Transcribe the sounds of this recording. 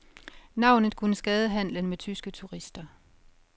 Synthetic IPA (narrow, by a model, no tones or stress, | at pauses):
nɑ̈ʊ̰nð̞̩ˠkʰunəsɡ̥ɛːð̞ˠəɦæn̰lənmet͡sʰysɡ̥ət͡sʰuʁisd̥ɐ